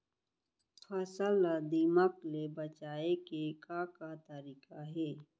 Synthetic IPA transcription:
fʰaːsaːlad̪imaklebət͡ʃaːekekakat̪əɾiːkaɦeː

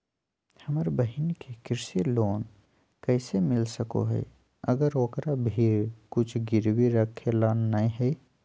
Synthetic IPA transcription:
hɐməɾbəɦɪnkekɪɾseloːn | kɛːsemɪlsəko̰ɦɛ̰ː | əɡəɾoːkɾabʱikʊt͡ʃʰɡɪɾwiɾəkʰːelaːnːaĩɦɛi

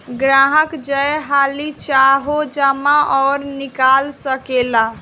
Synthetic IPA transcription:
ɡɾaɦəkd͡ʒəjɦalit͡ʃaɦod͡ʒamaʔɔːɾnikalsəkela

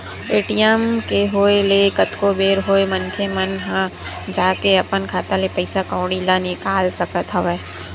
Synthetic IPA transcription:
eːʈijɛmkeɦoːelekɐt̪kobeːɾɦoːemənkʰemɐnɦã | d͡ʒaːkeɐpənkʰaːt̪alepɐɪsakãːɽ̃ilanɪkaːlsɐkət̪ɦɐʋɛ

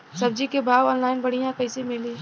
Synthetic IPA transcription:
sɐb̚d͡ʒikebʱaːʋɔːnlaːɪnbɐɽ̤ijãkɐɪsemɪliː

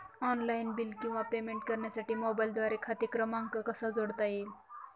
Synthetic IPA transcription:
ɔnlainbilkĩw̃ʋapemeɳʈ̚kəɾɳjasaʈiːmɔbajld̪ʋaɾekʰat̪ikɾəmãŋɡkəkəsad͡zoɽt̪aje

